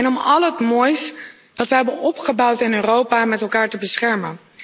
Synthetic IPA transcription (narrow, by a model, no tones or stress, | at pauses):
ɛnɔmɑlˠətmɔːjs | d̥ɑtʋəɦɛbənɔpχəbʌwtɪnøːrowpaːmɛtɛlˠkaːɹtəbəsχɛɹmən